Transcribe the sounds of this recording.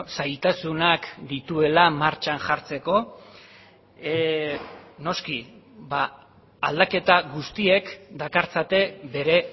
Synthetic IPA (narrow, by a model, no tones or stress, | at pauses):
sajt̪asunakd̪it̪ue̞lamaɾt͡ʃanʝaɾt͡se̞ko̞ | no̞ski | baː | ld̪ake̞t̪aɣust̪ie̞kd̪akaɾt͡sat̪e̞be̞ɾe̞